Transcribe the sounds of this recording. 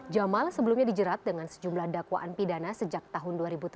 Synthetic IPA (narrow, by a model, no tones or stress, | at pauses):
d͡ʒamalsəbəlumɲadid͡ʒəɾat̪̚dəŋansə̥d͡ʒumlahdakwa̰ʔanpidanasəd͡ʒak̚t̪aɦʊnduaɾibut̪